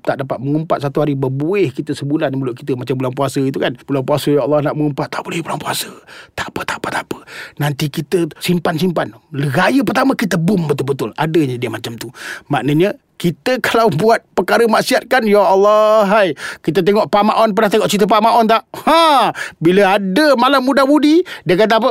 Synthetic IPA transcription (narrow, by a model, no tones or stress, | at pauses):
t̪aʔdapat̪̚məŋumpat̪̚sat̪uɦaɾibəbuɪhkit̪əsəbulanməlʊʔ̪̚kit̪əmat͡ʃambulaŋpuasəit̪ukanb̥ulanpuasəjaɑlˠːɑhnaʔməŋumpat̪ːaʔbolɛhbulaŋpuasət̪ḁʔpət̪apat̪apə̥nant̪ikit̪əsimpansimpanləɡajəp̬ərt̪aməkit̪əbʊmbət̪ʊlbət̪ʊla̰dəɲədiəmat͡ʃamt̪umaʔnəɲə | kit̪əkalawbuat̪̚pəkaɾəmaʔsiat̪̚kanjaʔɑlːɑɦajkit̪ət̪̬eŋɔʔpamaʔɔnpənaht̪eŋɔʔt͡ʃit̪̬əp̬amaʔɔnt̪aʔhabiləadəmalamːudamudidiəkat̪̬ap̬ə